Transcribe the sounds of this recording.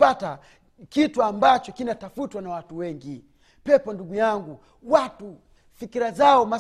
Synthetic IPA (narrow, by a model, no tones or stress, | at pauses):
ata | kituambat͡ʃɔkinatafutwanawatuwɛŋɡi | pɛpɔnduɡujaŋɡu | watu | fikiɾazaɔma